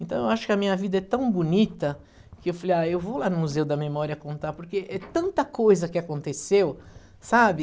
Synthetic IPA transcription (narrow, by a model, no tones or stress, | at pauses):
ẽnt̪ɐ̃w̃ewaʃʊ̥kɪɐmĩɲɐvid̪ɐɛt̪ɐ̃w̃bunit̪ɐ | kɪewfalejaewvowlanʊmuzewʊd̪ɐmemɔɾiɐkõnt̪apoɾkeʔɛt̪ɐ̃nt̪ɐkojzɐkɪakõnt̪esew | sabɪ